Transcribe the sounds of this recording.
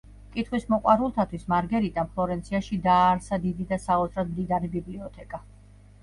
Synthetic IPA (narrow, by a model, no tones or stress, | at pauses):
kʼit̪ʰχwismɔqʼwaɾulˠt̪ʰat̪ʰwismaɾɡɛɾit̪ʼampʰlˠɔɾɛnsʰiaʃid̪aːɾsad̪id̪id̪asaɔt̪sʰɾad̪̚md̪id̪aɾibibliɔt̪ʰɛkʼa